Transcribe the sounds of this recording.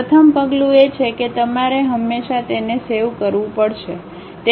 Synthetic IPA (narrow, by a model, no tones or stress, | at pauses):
ət̪ʰəmpəɡlũet͡ʃʰeket̪əmaɾeɦəmːeʃat̪enesewkəɾʋũpəɽʃe | t̪e